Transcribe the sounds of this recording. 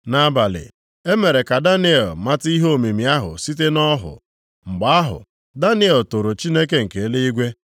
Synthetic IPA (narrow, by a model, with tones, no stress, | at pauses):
na˨˦ba˨lɪ̰˨ | e˦me˨ɾe˨ka˨da˦ni˦e˨lma˦ti˦ɦo˦o˦˨me˨mi˨a˦ɦʊ̰˨si˦t̬e˦nɔ˦ɦʊ̰˨ | ŋ͡m̩˨ɡ͡ba˨˦a˦ɦʊ̰˨ | da˦nɪ˦e˨lto˨ɾo˨t͡ʃi˦ne˦ke˨ŋ̩˨ke˨˦le˦i˦ɡʷe˦